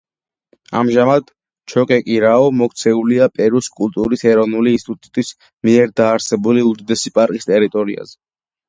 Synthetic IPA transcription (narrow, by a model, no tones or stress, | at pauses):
a̰mʒamad̪̥ | t͡ʃʰɔkʼɛkʼiɾaɔmɔk̚ʰt̪sʰɛuliapʼɛɾuskʼult̪ʼuɾisɛɾɔvnuliːnst̪it̪ʼut̪ʼut̪ʼis | miɛɾd̪aːɾsɛbuliud̪id̪ɛsipʼaɾkʼist̪ʼɛɾit̪ʼɔɾḭa̰zɛ